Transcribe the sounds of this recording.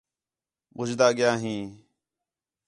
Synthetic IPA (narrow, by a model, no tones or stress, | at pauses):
ɓʊd͡ʒd̪aːɠɪjãːɦĩː